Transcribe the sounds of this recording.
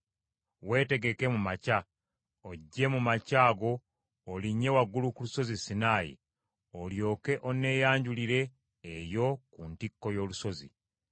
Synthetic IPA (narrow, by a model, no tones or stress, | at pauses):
we̞ːte̞ɡe̞ke̞mumaca | oɟːe̞mumacaːɡo̞ː | liɲːe̞waɡulukuluso̞zisinaːjḭ | oljo̞ːke̞ʔo̞ne̞jaːɲɟuliɾe̞ː | jo̞kuntikːo̞jo̞ːluso̞zḭ